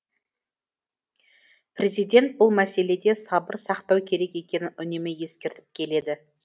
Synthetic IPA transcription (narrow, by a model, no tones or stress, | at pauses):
prʲe̞zijd̪ʲe̞nt̪̚bʊlˠmæse̞le̞d̪e̞sɑbəɾsɑqt̪ɑwkʲʰe̞ɾe̞kʲe̞kʲe̞nɪnʔʏnemɪje̞skʲe̞ɾt̪ɪ̥p̚kʲʰe̞le̞d̪ɪ